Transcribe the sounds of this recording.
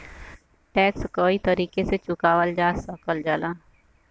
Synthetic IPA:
ʈɛːkskoːit̪əɾiːkeset͡ʃʊkaːʋəld͡ʒaːsəkəld͡ʒaːlaː

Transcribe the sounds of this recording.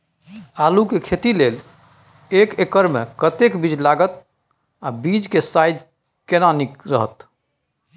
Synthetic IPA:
alukekʰet̪ilel | ekekəɾmḛkət̪ekbid͡ʒlaɡət̪̚ | abid͡ʒkesajd͡ʒ̪ | kenanikɾəɦət̪

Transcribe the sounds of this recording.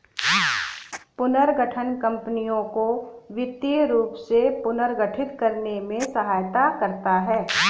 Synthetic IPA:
pʊnəɾɡəʈʰənkɐ̃mpənijõkoʋɪt̪jəɾuːpsepʊnəɾɡəʈʰɪt̪kɐɾnemẽsɐɦaːjt̪akɐɾt̪aɦɛː

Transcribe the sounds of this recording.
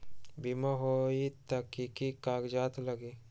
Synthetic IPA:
bimaɦoit̪ɐkːikikaːɡd͡ʒaːt̪ləɡeː

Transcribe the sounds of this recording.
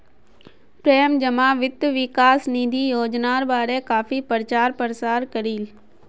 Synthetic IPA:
pɾejəmd͡ʒəmaːʋɪt̪ːʋɪkaːsniːd̪ʱijoːd͡ʒnaːɾbaːɽekaːfipəɾt͡ʃaːɾpəɾsaːɾkəɾiːl

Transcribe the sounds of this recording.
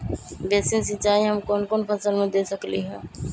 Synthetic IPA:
beːsinsɪt͡ʃaːiɦəmkoːnkoːnpʰəsəlmẽd̪esəkliɦɛ̃ː

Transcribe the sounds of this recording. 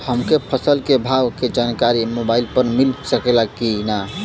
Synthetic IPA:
həmkepʰəsəlkebʱawked͡ʒankaɾimobailpəɾmilsəkelakːina

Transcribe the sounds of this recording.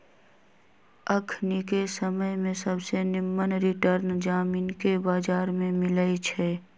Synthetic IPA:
əkʰnikesəməjmẽsəbsenɪmːənɾɪʈəɾnd͡ʒaːmiːnkebaːd͡ʒaːɾmẽmɪləit͡ʃʰɛː

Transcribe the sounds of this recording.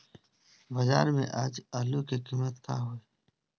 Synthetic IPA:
bɐza̰ːɾmḛ̃ʔaːd͡ʒaːlukikimət̪kʰaːɦoːe

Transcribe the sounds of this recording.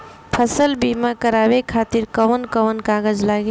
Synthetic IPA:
pʰəsəlbimakəɾabekʰat̪iɾkəʋənkəʋənkaɡəd͡ʒlaɡi

